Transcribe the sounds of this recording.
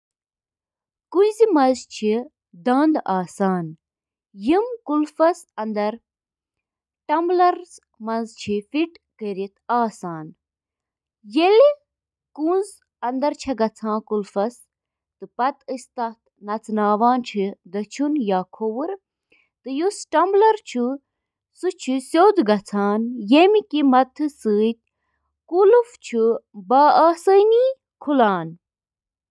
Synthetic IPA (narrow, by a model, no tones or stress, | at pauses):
kuzimɐzt͡ʃʰi | d̪ɐ̃ːnd̪aːsaːn | jimkulfɐsɐnd̪ɐɾ | ʈɐmblɐɾz | mɐnzt͡ʃʰifiʈ | kəɾit̪ʰaːsaːn | jeli | kũːnz | ɐnd̪ɐɾt͡ʃʰɐɡɐt͡sʰãːkulfɐs | t̪ɨpɐt̪ɨst̪ɐt̪nɐt͡sʰnaːʋaːnt͡ʃʰid̪ɐt͡ʃʰunjaːkʰowuɾ | t̪ɨjusʈɐmblɐɾt͡ʃʰu | sut͡ʃʰisʲoːd̪ɡɐt͡sʰaːnjemikimɐt̪ʰːɨsɨːt̪̚ʲ | kuluft͡ʃʰubaːaːsəjniː | kʰulaːn